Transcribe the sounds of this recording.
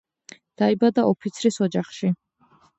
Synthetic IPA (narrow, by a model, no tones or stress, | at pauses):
d̪̥aibad̪aɔpʰit̪sʰɾisɔd͡ʒaχʃi